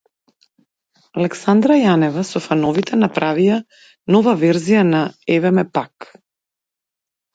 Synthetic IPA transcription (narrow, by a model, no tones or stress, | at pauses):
alɛksand̪ɾajanɛvasɔfanɔvit̪ɛnapɾʔavija | nɔvavɛɾzijanaɛvɛmɛpak